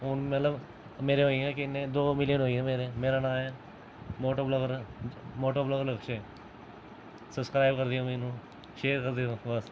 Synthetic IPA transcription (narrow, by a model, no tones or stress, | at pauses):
ɦʊnmət̪ləb | meːɾeɦoːĩɦɛ̃ːkɪɪnːẽːd̪oːmɪlijənɦoːiɛ̃ːmeːɾeːmeːɾaːnãːɛː | moːʈəɾbləɡəɾmoːʈəɾbləɡələkʃeː | səbskɾaːɪb̚kəɾd̪iːõːmeːnũː | ʃeːɾkəɾd̪iɦõːbəs